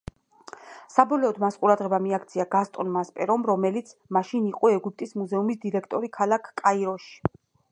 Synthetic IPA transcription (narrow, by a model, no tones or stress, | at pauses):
sabɔlɛːd̪masqʼuɾad̪ʁɛbamiakt̪sʰiaɡast̪ʼɔnmaspʼɛɾɔmɾɔmɛlit̪sʰmaʃiniqʼɔɛɡup̚ʰt̪ʼismuzɛumisd̪iɾɛkʰt̪ʼɔɾikʰalakʰkʼaiɾɔʃi̥